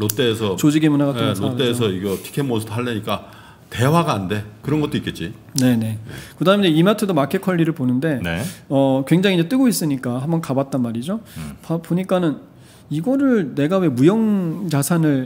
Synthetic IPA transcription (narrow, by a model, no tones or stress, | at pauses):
lot͈eːsʰʌt͡ɕod͡ʑiɡemunaɡatʰlot͈esʰʌiɡʌtʰi̥kʰenmonsʰɯdɦaɭːeɲik͈a | te̞waɡaːnde̞kɯɾʌnɡʌt͈oik͈e̞t̚t͡ɕ͈i | ne̞ne̞kɯdaːmed͡ʑeimatʰɯdomakʰekʰʌʎːiɾɯɭponɯnde̞neʌkwe̞ŋd͡ʑaŋid͡ʑet͈ɯɡois͈ɯɲik͈aɦambʌnkabat̚t͈anmaɾid͡ʑopapoɲik͈anɯn | iɡʌɾɯɭne̞ɡawe̞mujʌŋd͡ʑasʰanɯɭ